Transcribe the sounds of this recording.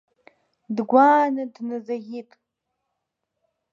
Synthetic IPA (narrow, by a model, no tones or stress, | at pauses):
dɡʷaːnɨdnɨzɐɣitʼ